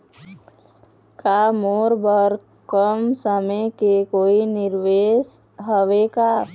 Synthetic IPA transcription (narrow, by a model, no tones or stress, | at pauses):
kamoːɾbəɾ | kəmsəmekekoːinɪɾʋeːs | ɦəʋeka